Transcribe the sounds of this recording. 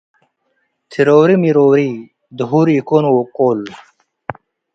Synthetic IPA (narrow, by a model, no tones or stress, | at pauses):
t̪ʰiɾoːɾimiɾoːɾi | d̪uɦuːɾikonwokoːl